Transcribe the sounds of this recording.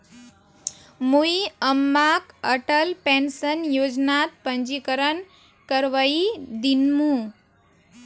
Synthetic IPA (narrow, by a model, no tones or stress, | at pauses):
mujəmːakəʈəlpensənjod͡ʒnat̪̚pənd͡ʒikəɾən | kəɾʋəid̪inmũ